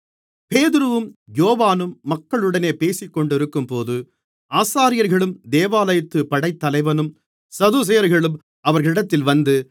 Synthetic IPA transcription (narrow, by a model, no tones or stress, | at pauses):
peːðɪɾɯʋɯmjoːʋaːnɯmːɐkːɐɭɯɽɐneːpeːsɪkːɔɳɖɪɾɯkːɯmpoːðɯ | aːsaːɾɪjɐɾɣɐɭɯmd̪eːʋaːlɐjɐt̪ːɯpɐɽɐɪt̪ːɐlɐɪʋɐnɯm | sɐðus̬ɛjɐɾɣɐɭɯm | ɐʋɐɾɣɐɭɪɽɐt̪ːɪlʋɐnd̪ɯ